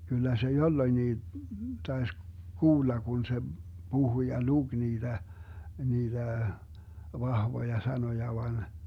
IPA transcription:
kylːæ se jolːoĭnːiː tɑes kuːlːɑ kun se b̥uhu jɑ luɡ̊ niːd̥æ niːd̥æ ʋɑhʋojɑ sɑnojɑ ʋɑn

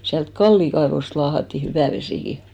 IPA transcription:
siælt kɑlːiˑ kɑeʋost lɑːhɑtːi hyʋæˑ ʋesiˑki

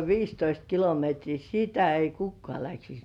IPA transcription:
ʋiːstoist kilometriː sitæ ei kukːŏɑˑ læksis

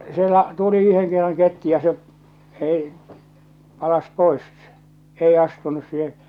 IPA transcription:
sielæ tuli yheŋ kerːɑŋ ketːu jɑ se ei pɑlɑs pois ei ɑstunus siːhe

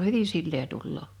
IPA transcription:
hyʋi silːeː tulːoː

